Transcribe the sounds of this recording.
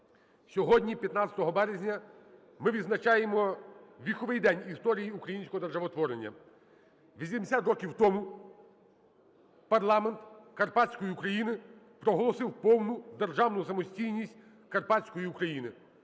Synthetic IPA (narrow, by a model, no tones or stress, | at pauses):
sʲɔɦɔdʲnʲipʲjɐt̪nɑt͡sʲsʲɐ̥t̪ɔɦɔbɛɾezʲnʲɐ | mɪʋʲid̪znɐt͡ʃɑjemɔʋʲixɔʋɪjd̪ɛnʲist̪ɔɾʲijiukɾɐjinʲsʲkɔɦɔd̪erʒɐʋɔt̪ʋɔɾenʲːɐ̰ | ʋʲisʲimd̪esʲat̪rɔkʲiwt̪ɔmu | pɐrlˠɑme̞nt̪kɐrpɑt͡sʲkɔjiukɾɐjinɪ | pɾɔɦɔlˠɔsɪwpɔwnʊd̪erʒɑwnʊsɐmɔsʲtʲijnʲisʲtʲ | kɐrpɑt͡sʲsʲkɔjiukɾɐjinɪ